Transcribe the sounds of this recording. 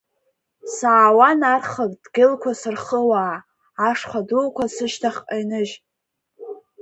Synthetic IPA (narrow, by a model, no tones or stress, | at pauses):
saːwanarχəkʼdɡʲɪlkʷʰasɨrχəwaː | ʂχʷadulkʷʰasɨʃtʰaχʼajnɨʒ